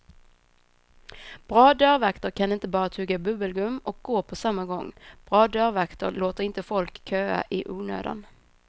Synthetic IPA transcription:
b̥ɾɑːd̪œɾvakt̪əɾkʰanɪnt̪əbɑːɾat̪ʰʉːɡabɵbəlɡɵmːɔk̚ɡoːpʰɔsamːaɡɔ̰ŋːb̥ɾɑːd̪œɾvakt̪ə̰ɾloːt̪əɾɪnt̪əfɔlkʰːøːa̰ʔɪʔuːnø̰ːd̪a̰n

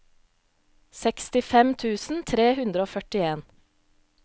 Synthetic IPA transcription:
sɛkst̪ɪfɛmt̪ʰʉːsn̩t̪ʰɾeːhʉnd̪ɾəoːfœʈɪeːn

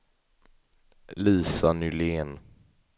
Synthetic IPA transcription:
liːsanʏleːn

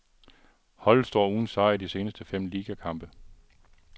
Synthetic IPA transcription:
hɒ̽l̰ˠsd̥ɒ̰ːuːn̩sɑ̈ɪidise̝ːnəsd̥əfem̰liːɡ̥ækʰɑ̈m̰b̥ə

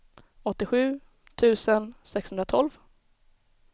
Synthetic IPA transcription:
ɔt̪ːɪɧʉ̟ː | t̪ʰʉ̟ːsənsɛkshɵnd̪ɾat̪ʰɔlv

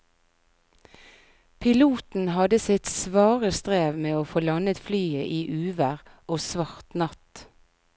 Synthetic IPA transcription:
pʰɪluːt̪n̩hɑd̪əsɪt̪sʋɑːʁəst̪ʁeːʋmeːoːfoːlɑnət̪flyːəʔiːʔʉːʋəʁʔoːsʋɑʁt̪nɑt̪

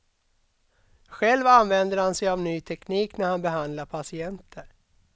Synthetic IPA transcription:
ɧɛlvanvɛnd̪əɾhansɛjavnyːt̪ʰɛkniːknæɾhanbɛɦand̪laɾpʰasɪɛnt̪ʰəɾ

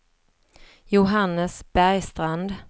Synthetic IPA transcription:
jʊɦanːəsb̥æɾjst̪ɾand̪

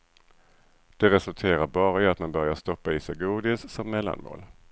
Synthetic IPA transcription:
d̪̥ɛɾɛsɵlt̪ʰeːɾaɾbɑːɾaat̪manbœɾjaʂt̪ɔpːaiːsɛɡuːd̪ɪssɔmːɛlːa̰nmo̰ːl

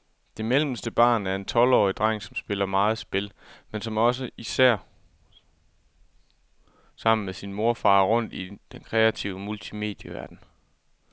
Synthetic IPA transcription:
d̥e̝melməsd̥əb̥ɑ̈ːnæɐe̝nt͡sʰɒ̽lɒ̰ːid̥ʁɑ̈ŋ̰sɒ̽msb̥e̝lɐmɑ̈ːð̞̩ˠsb̥e̝lmensɒ̽mɒ̽s̬əʔisæɐ̰ | sɑ̈m̰n̩mesinmo̝ɐfɑ̈ːʁɔ̽n̰d̥id̥enkʰʁɛæt͡sʰiʊəmult͡sʰime̝̰ːd̥jəʋæɐd̥n̩

